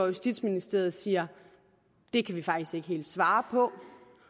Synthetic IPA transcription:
ɒjusd̥id̥sminisd̥e̝ɐð̞̩ˠsiːɐ | d̥e̝kʰæʋifɑ̈ɡ̥d̥isɡ̥e̝ɡ̥əɦe̝̰ːld̥sʋɑ̈ːpʰɒ̽

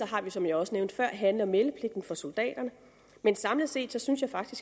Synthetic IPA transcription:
ɒ̽ɦɑ̈ʋisɒ̽mjɑ̈ɒ̽səneʊnd̥fɶɐ̰ɦænlɐmeləpʰle̝ɡ̥̚d̥n̩fɒ̽sold̥ɛ̰ːd̥ɐnə | mensɑ̈mləse̝̰ːd̥sɒ̽synsjɑ̈ɪfɑ̈ɡ̥d̥isɡ̥

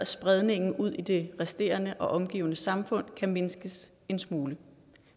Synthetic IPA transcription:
sb̥ʁɛðˠne̝ŋn̩ʔuð̞̰ˠid̥e̝ʁɛsd̥e̝̰ːɐnəʔɒ̽ʔɒ̽mɡ̥ḭːʊnəsɑ̈mfɔ̽n̰kʰæme̝nsɡ̥əs | e̝nsmuːlə

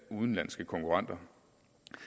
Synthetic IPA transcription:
uːð̞ˠn̩lænsɡ̥əkʰɒ̽ŋkʰuʁɑ̈n̰d̥ɐ

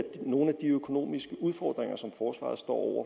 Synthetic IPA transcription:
no̝ːn̩æd̥iøkʰo̝no̝̰ːmisɡ̥əʔuð̞ˠfɒ̰ːd̥ʁeŋɐsɒ̽mfɒːsʋɑ̰̈ð̩ˠsd̥ɒ̰ːɒʊ̰ɐ

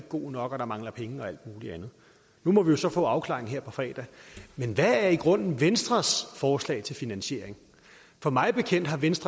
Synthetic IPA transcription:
ɡ̥o̝̰ːnɒ̽ɡ̥ɒ̽ɾ̥ɑ̈mɑ̈ŋlɐpʰeŋəɒ̽æl̰d̥̚muːliænð̞̩ˠ | numɒ̽ʋijo̝sɒ̽fɔ̰̽ːɑ̈ʊkʰlɑ̰̈e̝ŋ̩ɦe̝ɐ̰pʰɒ̽fʁɛ̰ːd̥æmenʋææɐiɡ̥ʁɔ̽n̰n̩ʋensd̥ʁɐsfɒːslɛ̰ɪt͡sʰe̝lfinænɕe̝ɐeŋ | fɒ̽mɑ̈ɪb̥e̝kʰen̰d̥ɦɑ̈ʋensd̥ʁɐ

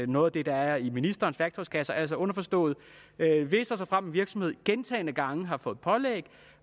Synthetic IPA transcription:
nɔ̽ːð̩ˠɐd̥e̝d̥ɑ̈æɐiminisd̥ɐːnsʋæɡ̥t͡sʰɒskʰæsɐʔæl̰sɐɔ̽nɐfɒ̽sd̥ɔ̰̽ːð̩ˠ | øʋe̝sɐsɐfʁɑm̰ʋiɐɡ̥sɒ̽m̩he̝ð̰ˠɡ̥ent͡sʰɛ̰ːɪnəɡ̥ɑ̈ŋəɦɑ̈fɔ̽ːð̩ˠpʰɒ̽leːɡ̥

